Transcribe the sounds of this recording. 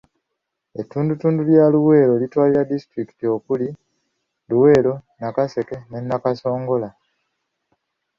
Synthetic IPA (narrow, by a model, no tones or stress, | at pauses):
e̞tːuːndutuːnduljaluwe̞ːɾo̞litwaːliɾadistɾiki̥tio̞kuli | luwe̞ːlo̞nakase̞ke̞ne̞nːakaso̞ːŋɡo̞la